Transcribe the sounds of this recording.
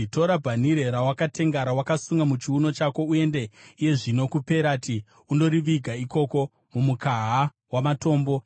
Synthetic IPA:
to̞ɾabʱaniɾeɾawakate̞ŋɡaɾawakasuŋɡamut͡ʃiuno̞t͡ʃako̞ue̞nde̞ije̞ʐino̞kupe̞ɾati | uno̞ɾiʋiɡʱaiko̞ko̞ | mumukaɦa | wamato̞ːmbo̞

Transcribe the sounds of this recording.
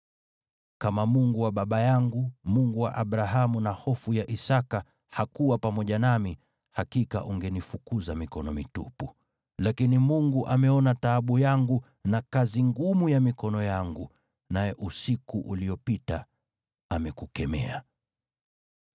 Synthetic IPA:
kamamuŋɡuwaɓaɓajaŋɡumuŋɡuwa̰ʔaɓɾaɦamunahɔfujaʔisaka | hakuwapamɔʄanami | hakika̰ʔuŋɡɛnifukuzamikɔnɔmitupu | lakinimuŋɡuʔamɛɔnataːɓujaŋɡu | nakaziŋɡumujamikɔnɔjaŋɡu | najɛʔusikuʔuliɔpita̰ | amɛkukɛmɛ̰a

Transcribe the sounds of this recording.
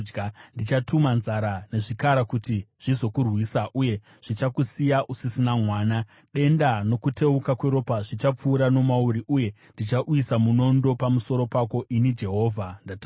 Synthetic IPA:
ɡndit͡ʃatumanzaɾane̞ʐikaɾakutiʐ̥izo̞kurwiːsaʔuje̞ | ʐ̥it͡ʃakusijaʔusisinamwaːna | ɗe̞ndano̞kute̞ukakwe̞ɾo̞paʐit͡ʃap͡fuːɾano̞mauɾiʔuje̞ | ndit͡ʃaʔuisamuno̞ndo̞pamuso̞ɾo̞pako̞ʔinid͡ʒe̞ɦo̞ːvʱandatː

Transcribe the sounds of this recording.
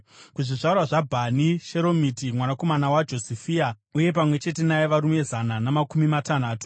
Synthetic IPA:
kuʐiʐarwaʐabʱaniʃe̞ɾo̞mitimwanako̞manawad͡ʒo̞sifia | uje̞p̬amwe̞t͡ʃe̞te̞najeʋaɾumue̞zananamakumimatanaːtu̥

